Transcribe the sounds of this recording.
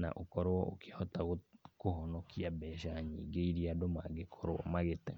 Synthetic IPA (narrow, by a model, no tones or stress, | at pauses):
na̰ʔokɔɾoɔʔokehɔtaɣokoɦɔnɔkʰiabɛʃaɲḭɡeiɾiadomaɡekʰɔɾoɔ̰maɣetɛ